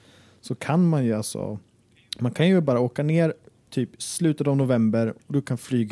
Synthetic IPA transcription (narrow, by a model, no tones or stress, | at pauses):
sɔkʰanmanjɵalsɔ̰ | mankʰanjɵbɑːɾaoːkaneːɾt̪ʰyːpslʉ̟ːt̪ət̪avnʊvɛmbəɾɔd̪ɔkʰanflyːɡ